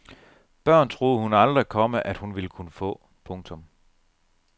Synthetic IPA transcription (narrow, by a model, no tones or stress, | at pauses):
b̥ɶɐ̰nt͡sʰʁo̝ːð̩ˠhunɑ̈ld̥ʁikʰɒ̽məʔæd̥hunʋiləkʰunəfɔ̰̽ː | pʰɔ̽ŋt͡sʰɔ̽m